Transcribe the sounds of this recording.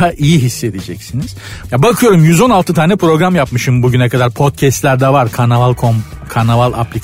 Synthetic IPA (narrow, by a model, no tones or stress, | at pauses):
aʔijiɦisːe̞d̪id͡ʒɛcsiniz̥jabakʰɯjo̞ɾumjyzo̞nalˠt̪ɯt̪ʰaːnɛpʰɾo̞ɡɾamjapmɯʃɯmbuɟynɛkʰad̪aɾpʰo̞t̪̚cʰɛst̪lʲæɾd̪ɛvaɾkʰanavalˠkʰomkʰanavalˠa̰plʲik